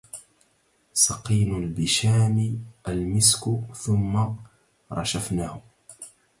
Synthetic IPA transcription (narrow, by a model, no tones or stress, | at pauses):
sɑqiːnʊlbɪʃaːmiʔalmɪskʊθʊmːa | ɾˤɑ̰ʃafnaːhʊ